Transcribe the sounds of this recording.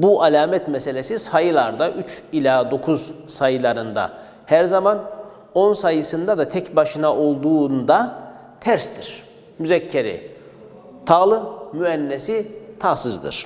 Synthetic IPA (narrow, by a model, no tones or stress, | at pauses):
buʔalʲaːmɛt̪mese̞lʲesisajɯlˠaɾd̪aʔyt͡ʃilʲaːd̪o̞kʰuzsajɯlˠaɾɯnd̪a̰ | hæɾzaman | o̞nsajɯsɯnd̪ad̪at̪ʰɛcbaʃɯnaʔo̞lˠd̪uːnd̪a | t̪ʰæɾst̪iɾ̥ | myzɛcʰːeɾɛ̰ | t̪ʰaːlˠɯmyɛnːesit̪ʰaːsɯzd̪ɯ̰ɾ̥